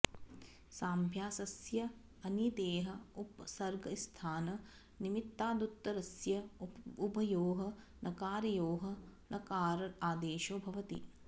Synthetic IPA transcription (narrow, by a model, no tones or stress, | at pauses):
saːmbʱjaːsɐsjɐ | ɐnid̪eːɦɐupsɐɾɡɐst̪ʰaːnɐ | nimit̪ːaːd̪ut̪ːɐɾɐsjɐupɐjoːɦɐ | nʔɐkaːɾɐjoːɦɐnɐkaːɾɐaːd̪eːʃoːbʱɐʋɐt̪ḭ